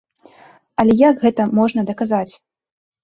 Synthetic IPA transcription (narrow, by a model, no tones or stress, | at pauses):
ɐlʲɛjaɡɣɛt̪ɐmɔʐnɐd̪ɐkazat͡sʲ